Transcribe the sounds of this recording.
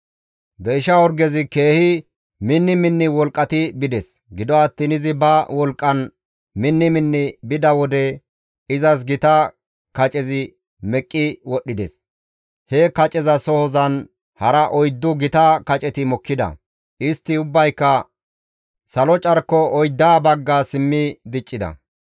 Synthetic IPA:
bɛːʃɐɔɾɡɛzɪke̞ːhɪ | mɪnːɪmɪnːɪwɔlkʼːɐt̪ɪbɪd̪ɛs | ɡɪd̪ɔɐt̪ːiːnɪzɪbɐwɔlkʼːɐn | mɪnːɪmɪnːɪbɪd̪ɐwɔd̪ɛ | ɪzɐs̬ɡɪt̪ɐ | kɐt͡ʃʼɛzɪ | mɛkʼːɪwɔɗːɪd̪ɛs | hɛkɐt͡ʃʼɛzɐsɔhɔzɐn | hɐɾɐʔɔjd̪ːʊɡɪt̪ɐkɐt͡ʃʼɛt̪ɪmɔkːɪd̪ɐ̰ | ʔɪst̪ːɪʊbːɐjkːɐ | sɐlɔt͡ʃʼɐɾkːɔɔjd̪ːaːbɐɡːasɪmːɪd̪ɪt͡ʃʼːɪd̪ɐ̰

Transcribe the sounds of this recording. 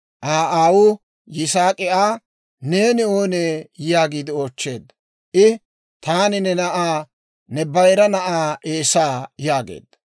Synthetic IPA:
ʔaːʔaːwʊ | jɪsaːkʼɪʔaː | ne̞ːnɪoːneːjaːɡiːd̪ɪoːt͡ʃːe̞ːd̪ːɐ | ʔɪ | t̪aːnɪnɛnɐʔaː | nɛbɐjɾɐnɐʔaːeːsaːjaːɡḛːd̪ːɐ

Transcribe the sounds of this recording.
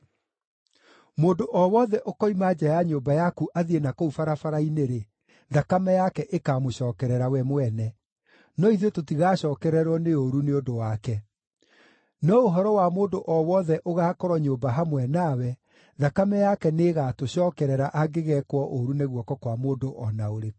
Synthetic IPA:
moːndoʔɔwɔðɛʔokɔimaːd͡ʑajaɲoːbajakuʔaðienakoufaɾafaɾaineɾe | ðakamɛjakɛʔekaːmoɕɔːkɛɾɛɾawɛmwɛnɛ | nɔiðototiɣaːɕɔːkɛɾɛɾwɔneoɾuneodowakɛ | nɔoɦɔɾɔwamoːdoʔɔwɔðɛʔoɣaːkɔɾɔɲoːbaɦamwɛnawɛ | ðakamɛjakɛneːɣatoɕɔːkɛɾɛɾaʔaɡeɣɛkwɔʔoɾuneɣuɔkɔkwamoːndoʔɔnaoɾe

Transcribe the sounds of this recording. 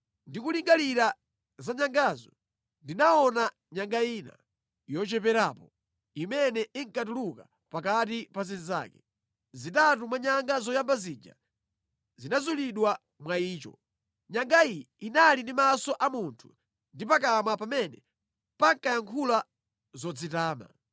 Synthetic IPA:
ndikuliŋɡaliɾa | zaɲaŋɡazɔ | ndinaɔna | ɲaŋɡaiːna̰ | jɔt͡ʃɛpɛɾaːpɔ | imɛnɛiŋkatuluka | pakatipaziniza̰ːkɛ̥ | zitatumwaɲaŋɡazɔjambazid͡ʒa̰ | zinazuliɗwa | mwaiːt͡ʃɔ̰ | ɲaŋɡai | inalindimasɔʔamuntʰu | ndipak̬amapamɛnɛ | paŋkajaŋkʰula | zɔd͡zitaːma̰

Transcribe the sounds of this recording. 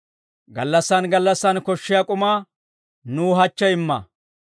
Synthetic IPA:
ɡɐ̰lːɐsːɐnɡɐlːɐsːɐnkɔʃːɪjakʼʊmaː | nuːɦɐt͡ʃːɛɪmːɐ̰

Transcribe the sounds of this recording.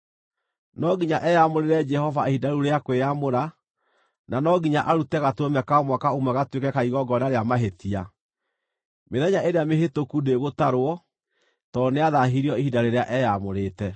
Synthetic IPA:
nɔɡiɲaʔɛjamoɾeɾɛd͡ʒɛhɔvaehidaɾuɾeakweamoɾa | nanɔɡiɲaʔaɾutɛɣatwomɛkaɔmwakaumwɛɣatwekɛkaiɣɔɡɔnaɾeamaɦetia | meðɛɲaʔeɾeamehetokudeɣotaɾwɔ | tɔneaðaɦiɾiɔihidaɾeɾeaʔɛjamoɾeːtɛ

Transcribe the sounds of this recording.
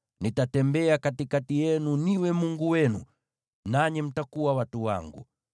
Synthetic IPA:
nitatɛmbɛakatikatijɛnuniwɛmuŋɡuwɛnṵ | naɲim̩takuwawatuwa̰ŋɡṵ

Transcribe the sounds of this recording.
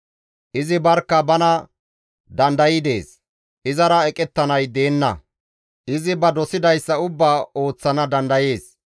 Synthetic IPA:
ʔɪzɪbɐɾkːɐbɐnɐ | d̪ɐnd̪ɐjɪd̪e̞ːs | ʔɪzɐɾɐɛkʼɛt̪ːɐnɐjd̪e̞ːnːɐ̰ | ʔɪzɪbɐd̪ɔsɪd̪ɐjsːɐʊbːaːo̞ːt͡sːɐnɐd̪ɐnd̪ɐje̞ːs

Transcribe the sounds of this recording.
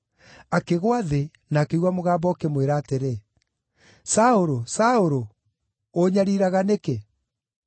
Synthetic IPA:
akeɣwaðe | naːkeuwamoɣaːmbɔkemweɾaːteɾe | saoɾosaoɾoː | ɲaɾiɾaɣaneke

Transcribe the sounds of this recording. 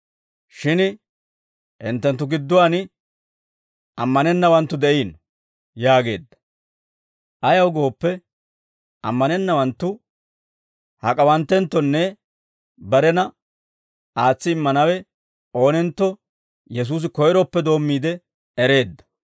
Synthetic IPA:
ʃɪn | ʔɪnt̪ːɛnt̪ːʊɡɪd̪ːʊwanɪ | ʔɐmːɐnɛnːɐwɐnt̪ːʊd̪ɛʔiːn | jaːɡe̞ːd̪ːɐ̥ | ʔɐjɐwɡo̞ːpːɛ | ʔɐ̰mːɐnɛnːɐwɐnt̪ːʊ | hɐkʼɐwɐnt̪ːɛnt̪ːɔnːɛ | bɐɾɛnɐ | ʔaːt͡sːɪɪmːɐnɐwɛ | o̞ːnɛnt̪ːɔ | jɛs̬uːs̬ɪkɔjɾɔpːɛd̪o̞ːmːiːd̪ɛ | ɛɾe̞ːd̪ːɐ̥

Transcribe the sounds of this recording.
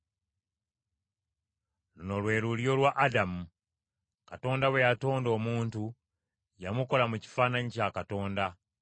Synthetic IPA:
luno̞lwe̞ːɾuljo̞lwaʔːdamu | kato̞ːndawe̞jato̞ːndo̞ːmuːntu | jamuko̞lamuci̥fanaɲicakato̞ːnda

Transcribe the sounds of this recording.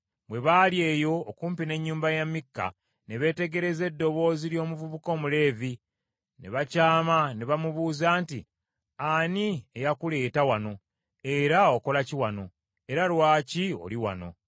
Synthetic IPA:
bwe̞βaːlje̞ːjo̞ːkuːmpine̞ɲːuːmbajamːikːa̰ | ne̞βe̞ːte̞ɡe̞ɾe̞ze̞dːo̞βo̞ːziljo̞ːmuvuβuko̞ːmule̞ːvi | ne̞̰βacaːmane̞βamuβuːzaːntḭ | aniejakule̞ːtawano̞ | e̞ɾaoko̞laciwano̞ | e̞ɾalwaːcio̰liwa̰no̞̰

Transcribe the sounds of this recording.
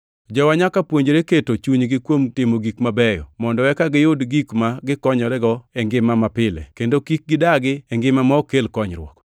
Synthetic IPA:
d͡ʒɔwaɲakapwoɲd͡ʒɾeketot͡ʃuɲɡɪkwomtɪmoɡikmabɛjɔ̰mɔndɔwɛkaɡɪjʊdɡikmaɡɪkɔɲɔɾɛɡɔɛŋɡɪmamapɪlɛ̰kendokik̚ɡɪdaɡɪɛŋɡɪmamɔokelkɔɲɾwɔ̰k

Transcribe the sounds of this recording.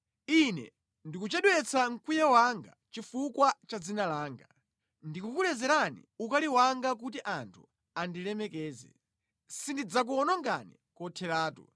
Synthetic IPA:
inɛ̰ | ndikut͡ʃɛɗwɛt͡sʰaŋ̩kujɛwaŋɡa | t͡ʃifukwat͡ʃad͡zinalaːŋɡa | ndikukulɛzɛɾanḭukaliwaŋɡak̬ut̬iʔantʰṵ | andilɛmɛkɛːzɛ̰ | sindid͡zak̬uɔnɔŋɡa̰nḭ | kɔtʰɛɾaːtu

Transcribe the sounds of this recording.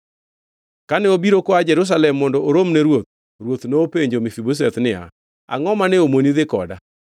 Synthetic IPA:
kanɛobiɾokoad͡ʒɛɾus̬alɛmːɔndɔʔoɾomnɛɾwot̪̚ | ɾwot̪noːpeɲd͡ʒomɪfibos̬ɛt̪nɪa̰ | a̰ŋɔmanɛomoniðɪkɔ̰da̰

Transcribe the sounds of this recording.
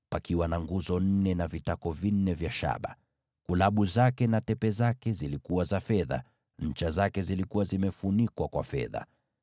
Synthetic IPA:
pakiwanaŋɡuzɔn̩nɛnavitakɔvin̩ːɛvjaʃa̰ɓa̰ | kulaɓuzakɛnatɛpɛzakɛzilikuwazafɛða̰ | ɲ̩t͡ʃazakɛzilikuwazimɛfunikwakwa̰fɛ̰ða̰

